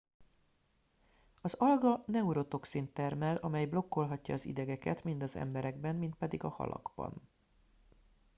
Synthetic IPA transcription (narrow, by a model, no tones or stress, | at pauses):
ɒzɒlɡɒnɛuɾo̞t̪o̞ksint̪ɛrmɛlʔɒmɛjblo̞kːo̞lɦɒcːɒ̰ːzḭd̪ɛɡɛkɛ̰t̪mind̪ɒzɛ̰mbɛɾɛɡbɛmːint̪̚pɛd̪iɡɒhɒ̰lʔɒ̰ɡ̥bɒ̰n